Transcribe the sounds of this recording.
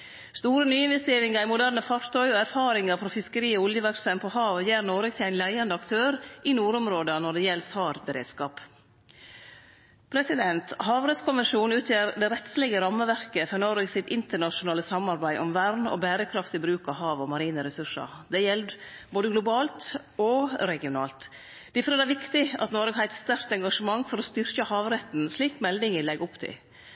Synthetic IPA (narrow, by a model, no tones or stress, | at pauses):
st̪uːɾənyːɪnʋɛst̪eːɾɪŋɑɾɪmʊd̪æːɾnəfɑɾt̪ʰœʏɔæɾfɑːɾɪŋɑɾfɾɔfɪskəɾiːɔʊljəʋæɾksɛmpʰɔhɑːʋjeːɾnoːɾɪkt̪ʰɪæɪnlæɪɑnd̪əɑkt̪ʰøːɾʔɪnuːɾɔmɾoːd̪ənɔɖɛjɛlsɑːɾbəɾḛːd̪skɑːp | pʰɾɛsɪd̪ɛnt̪hɑːʋɾɛt̪skʊmʋəʂuːnʉːt̪ʰjeːɾd̪ɛɾɛt̪slɛɡəɾɑmːəʋæɾkəfœnɔɾɪɡsɪt̪ɪnt̪əɳɑʃʊnɑːləsɑmɑɾbæɪʔɔmʋæɾnɔ̰bæːɾəkʰɾɑft̪ɪbɾʉːkɑʋɦɑːʋɔmɑɾiːnəɾɛsʉʂə̰ɾd̪ɛjɛld̪boːd̪əɡlʊbɑːlt̪ | ɔɾɛɡɪʊnɑːlt̪ | d̪̥ɪfɔɾɛːd̪æʋɪkt̪ɪɑ̰t̪nɔɾɡəhɑæɪt̪st̪œɾkt̪ɛŋɡɑʂəmɑŋːfɔɾɔst̪ʏɾkəhɑːʋɾɛt̪n̩sliːkmɛld̪ɪŋəlɛɡʊpt̪ʰɪ̰l